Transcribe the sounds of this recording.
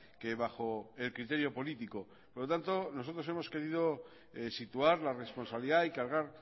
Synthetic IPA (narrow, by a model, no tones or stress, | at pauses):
ke̞βaxo̞e̞lkɾit̪e̞ɾjo̞po̞lit̪iko | poɾlot̪ant̪o̞no̞so̞t̪ɾo̞se̞mo̞ske̞ɾið̞o̞ | sit̪uaɾlare̞spo̞nsaβliðaikaɾɣ̞aɾ